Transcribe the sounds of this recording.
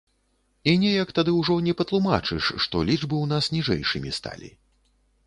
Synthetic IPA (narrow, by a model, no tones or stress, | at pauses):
inʲɛjɐkt̪ad̪ɨwʐɔnʲɛpɐt̪lˠuma̰t͡ʂɨʂːt̪ɔlʲiʐbɨwn̪asnʲiʐɛ̰jʂɨmʲist̪a̰lʲḭ